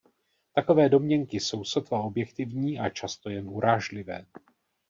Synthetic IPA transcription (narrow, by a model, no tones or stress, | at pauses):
t̪ako̞vɛːdo̞mɲɛŋkɪso̞wsot̪vao̞bjɛkt̪ɪvɲiːʔat͡ʃast̪o̞jɛnʔuɾaːʒlɪvɛ̰ː